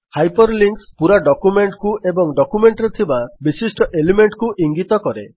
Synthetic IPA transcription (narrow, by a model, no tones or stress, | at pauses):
hajpɔɾliŋkspuɾaɖɔkumeɳʈkuʔebɔŋɖɔkumeɳʈɾet̪ʰibabisisʈɔʔelimeɳʈkuʔiŋɡit̪ɔkɔɾe